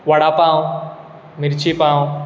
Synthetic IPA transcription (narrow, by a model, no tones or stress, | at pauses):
ʋaɽapaːũ | mɪɾt͡ʃipaːõ